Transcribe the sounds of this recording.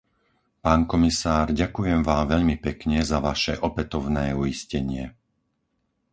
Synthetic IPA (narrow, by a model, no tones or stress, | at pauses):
paːnkɔmisaːɾɟakujɛmʋaːmʋɛʎmipɛkɲɛzaʋaʃɛʔɔpɛt̪ɔʊnɛːujiscɛɲɪɛ